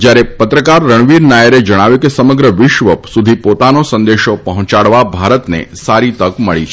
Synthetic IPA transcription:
d͡ʒjaɾepət̪ɾəkaɾːəɳ̃ʋiɾnajəɾed͡ʒəɽ̃aʋjukesəməɡɾəʋɪʃʋəpsud̪ʱipot̪anosə̃nd̪eʃopəɦɔ̃t͡ʃaɽʋabʱaɾət̪nḛsaɾit̪əkməɭit͡ʃʰe̥

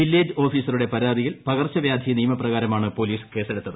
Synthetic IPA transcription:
ʋilːeːd͡ʑɨo̞ːfiːsɐruɽe̞pɐɾaːd̪ijilpɐɣɐrt͡ɕːɐʋjaːd̪ʱiɐnijɐmɐprɐɣaːɾɐmaːɳɨpo̞liːske̞ːseɽut̪ːɐðɨ

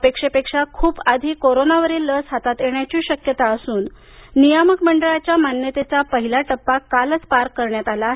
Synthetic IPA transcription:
pekʂepekʂakʰuːbad̪ʱiːkoɾonaʋəɾiːlːəsɦat̪at̪jeɳjat͡ɕiːɕəkjət̪aəsuːnː | ijaməkməɳɖəɭat͡ɕjamanjət̪et͡sapəɦilaʈəpːakːalət͡spaɾkːəɾɳjat̪alaːɦ

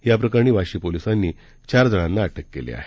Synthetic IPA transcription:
japɾəkaɾɳ̃iːʋaɕiːpolisanːiː | t͡ɕaɾd͡zəɽ̃ãnːaːʈʰəkːḛlḛa̰ɦe̥

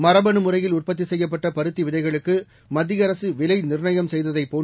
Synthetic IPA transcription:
mɐɾɐbɐnɯmɯrɐjɪlʊrpɐt̪ːisɛjːɐp̬ːɐʈːɐpɐɾɯt̪ːiʋɪðɐɪɣɐɭɯkːɯ | mɐd̪ːɪjɐɾɐsɯʋɪlɐɪnɪɾɳɐjɐmsɛjðɐðɐɪpːoː

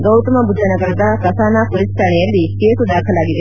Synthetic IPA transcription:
ɡɐwt̪ɐmɐbud͡ʒʱanɐkɐɾɐd̪akɐsaːnapuɾisʈʰaːɳɛjɐlːikeːsud̪aːkʰɐlaːɡid̪e

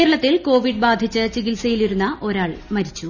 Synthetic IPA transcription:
eɾɐɭɐt̪ːilko̞ːʋiɖ̚baːd̪ʱit͡ɕːɨt͡ɕiɣilsɐjiliɾunːɐʔo̞ɾaːɭmɐɾit͡ɕːu

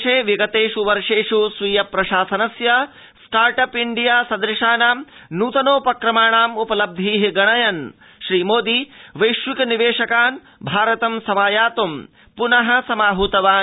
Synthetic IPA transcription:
ʃeːʋiɡɐt̪eːʂuʋɐɾʂeːʂusʋiːjɐpɾɐʃaːsɐnɐsjɐ | sʈaːɾʈɐpiɳɖijaːsɐd̪ɾɪʂaːnaːmnuːt̪ɐnoːpɐkɾɐmaːɳaːmupɐlɐb̚d̪ʱiːɦiɡɐɳɐjɐn | ʃɾiːmoːd̪iːʋɐjʃʋikɐniʋeːʂɐkaːn | bʱaːɾɐt̪ɐmsɐmaːjaːt̪um | punɐɦɐ̆sɐmaːɦuːt̪ɐʋaː

